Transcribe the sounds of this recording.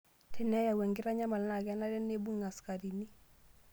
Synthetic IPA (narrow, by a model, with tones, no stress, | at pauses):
tʰɛ˦˨na˦ja˨wɛ˨ŋɡɪ˦ɾa˦ɲa˦ma˨lna˨ɡɛ˦na˦dɛ˦nːe˦bu˦ŋŋa˨ska˨di˨ni˦